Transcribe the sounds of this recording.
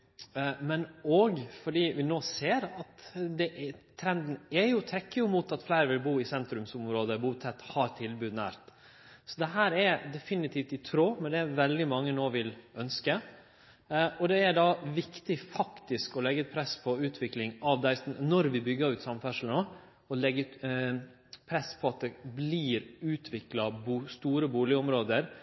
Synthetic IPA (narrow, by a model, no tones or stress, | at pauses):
mɛnɔɡfɔɖiːʋɪnoːseːɾɑt̪d̪ɛʔt̪ʰɾɛnd̪n̩ɛjʊt̪ʰɾɛkːəjʊmuːt̪ɑt̪flæɪɾʋɪlbuːɪsɛnt̪ɾʉmsʊmɾoːd̪əbuːt̪ʰɛt̪ːhɑɾt̪ʰɪlbʉːd̪næ̰ːɾt̪ | sɔd̪ɛɦæːɾɛɾd̪ɛfɪnɪt̪ʰiːft̪ɪt̪ʰɾoːmɛd̪ɛʋɛld̪ɪmɑŋːənoːʋɪlœnskə | ɔd̪ɛæɖɑʋɪkt̪ɪfɑkt̪ɪskɔlɛɡːɛt̪̚pʰɾɛspʰɔʉːt̪ʰʋɪklɪŋɑʋd̪æɪsnɔɾʋɪbʏɡːəɾʉːt̪sɑmfæʂl̩nɔ | ɔlɛɡət̪ | pʰɾɛspʰɔɑt̪̚d̪ɛbliːɾʉːt̪ʰʋɪklɑbuːst̪uːɾəbuːlɪʊmɾoːd̪əɾ